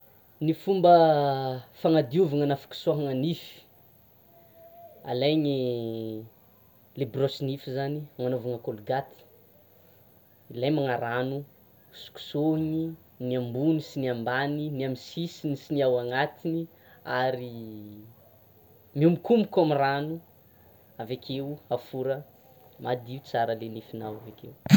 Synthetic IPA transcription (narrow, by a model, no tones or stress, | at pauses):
nifumbə | faŋad̪iuvaŋanafu̥ku̥suaɦaŋanifi̥ | a̰lajɲi | lebrosinifizanimanovaŋəkoluɡat̪i̥ | ilajmaŋaɾanu | su̥ku̥soɦini | niambunisiniambaniniaminsisinisiniawaŋat̪ini | aɾi | miumikumikamiranu | avekʰewafuɾə | mad̪iut͡saɾəlenifinawavekew